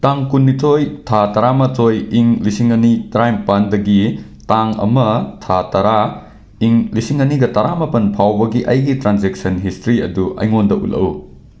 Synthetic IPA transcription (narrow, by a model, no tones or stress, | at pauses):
taŋkunːitʰojtʰatɐɾamɐtʰojiŋlisiŋɐnitɾajmpandɐɡi | taŋɐ̰mɐtʰatɐɾa | iŋlisiŋɐniɡɐtɐɾamɐpɐnpʰawbɐɡiʔɐjɡitɾanzek̚sɐnɦistɾiɐ̰duʔɐ̰jŋondɐʔṵlɐ̰w